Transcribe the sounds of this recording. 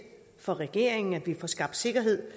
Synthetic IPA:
fɒ̽ʁɛɡ̥e̝̰ɐ̰eŋn̩æd̥ʋifɒsɡ̥ɑ̈b̥d̥se̝ɡ̥ɐɦe̝ð̰ˠ

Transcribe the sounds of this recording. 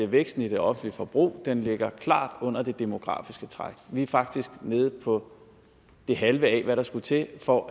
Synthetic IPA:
eʋeɡ̥sd̥n̩id̥e̝ɒ̽fn̩lifɒ̽b̥ʁṵːd̥enle̝ɡ̥ɐkʰlɑ̰̈ːd̥ɔ̽n̰ɐd̥e̝d̥e̝mo̝ɡ̥ʁɑ̰̈ːfisɡ̥ət͡sʰʁɑɡ̥ʋiæfɑ̈ɡ̥̚d̥isɡ̥ne̝ːð̞̩ˠpʰɒ̽ | d̥e̝ɦælʋəɛːʋæɾɑ̈sɡ̥ut͡sʰe̝fɒ

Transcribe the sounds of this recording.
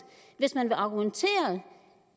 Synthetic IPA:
ʋe̝smænʋe̝ʔɑ̈ɡ̥ument͡sʰe̝̰ːɐð

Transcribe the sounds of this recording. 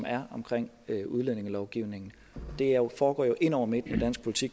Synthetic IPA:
mæɐɒ̽mkʰʁeŋ̰ | uð̞ˠlene̝ŋælɒʊɡ̥iʊ̰ne̝ŋn̩ | ɒ̽d̥e̝æjofɒːɡ̥ɒ̰ːjo̝ʔe̝n̰ɒ̰ʊɐme̝d̥ned̥æn̰sɡ̥̚pʰo̝lit͡sʰiɡ̥

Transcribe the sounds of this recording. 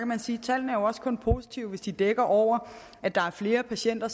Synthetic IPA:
kʰæmænsiːt͡sʰæl̰n̩əæɐjo̝ɒ̽skʰɔ̽npʰo̝si̥t͡sʰiʊʋe̝sd̥id̥eɡ̥ɐʔɒʊ̰ɐ | æd̥ɑ̈æɐfle̝ːɐpʰæɕen̰d̥ɐ

